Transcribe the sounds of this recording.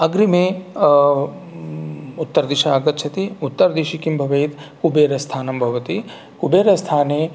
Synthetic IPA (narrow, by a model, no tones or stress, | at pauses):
ɐɡɾimẽ | ut̪ːɐɾd̪iʃɐaːɡɐt̪̚t͡ʃʰɐt̪iut̪ːɐɾd̪iʃikimbʱɐʋɐjt̪kubeːɾɐst̪ʰaːnɐmbʱɐʋɐt̪i | kubeːɾɐst̪ʰaːne